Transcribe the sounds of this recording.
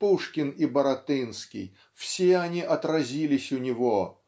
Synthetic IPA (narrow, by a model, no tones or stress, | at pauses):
puʂkʲɪnibəɾɐt̪ɨnskʲɪ̰j | fsʲeɐnʲiʔɐt̪ɾɐzʲilʲɪsʲʊnʲɪvo